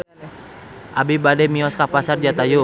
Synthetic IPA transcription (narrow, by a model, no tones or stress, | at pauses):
ʔabibadɛmiɔskapasard͡ʒat̪aju